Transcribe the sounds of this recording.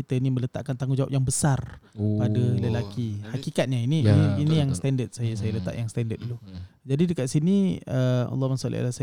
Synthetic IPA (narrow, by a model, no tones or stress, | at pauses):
it̪əinimə̃lət̪a̰ʔkant̪aŋɡud͡ʒawa̰p̚jaŋbəsarpadələlakihakikat̪̚ɲainiiinijaŋst̪ɛndət̪̚sajasajələt̪a̰ʔjaŋst̪ɛndət̪̚dulud͡ʒadidəkaʔ̪̚siniəɑ̰lːɔmansalḭa̰lasa